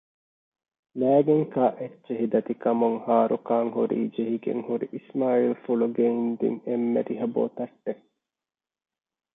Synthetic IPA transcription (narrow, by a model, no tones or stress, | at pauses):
læːɡeŋkaːʔetːt͡ʃːeɦid̪ɐt̪ikɐmuŋhaːɾukaːŋhuɾḭːd͡ʒeɦiɡḛŋhuɾiʔismaːilfuluɡeind̪ḭŋemːḛɾiɦɐbo̰ːt̪ɐʈːe